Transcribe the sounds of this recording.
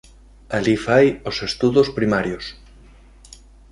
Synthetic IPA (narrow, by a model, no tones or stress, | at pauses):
alifajosest̪uðospɾimaɾjos